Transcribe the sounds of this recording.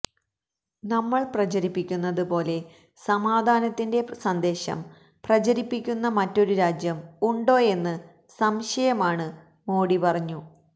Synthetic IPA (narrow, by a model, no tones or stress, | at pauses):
nɐmːɐɭprɐt͡ɕɐɾipːikʲːunːɐðɨpo̞ːle̞ | sɐmaːd̪ʱaːnɐt̪ːinde̞sɐnd̪e̞ːɕɐ̰m | prɐt͡ɕɐɾipːikʲːunːɐmɐtːo̞ɾuɾaːd͡ʑjɐmuɳɖo̞ːe̞nːɨ | sɐmɕɐjɐmaːɳɨ | moːɽipɐrɐɲːu